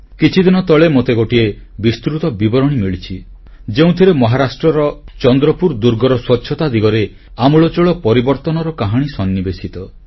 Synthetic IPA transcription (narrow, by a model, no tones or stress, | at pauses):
kit͡ʃʰid̪inɔt̪ɔɭemot̪eɡoʈie | bist̪ɾut̪ɔbibɔɾɔɽ̃imiɭit͡ʃʰi | d͡ʒeũt̪ʰiɾemɔɦaɾasʈɾɔɾɔt͡ʃɔnd̪ɾɔpuɾd̪uɾɡɔɾɔswɔtːʃʰɔt̪ad̪iɡɔɾe | amuɭɔt͡ʃuɭɔpɔɾibɔɾt̪ɔnɔɾɔkaɦaɽ̃isɔnːibesit̪ɔ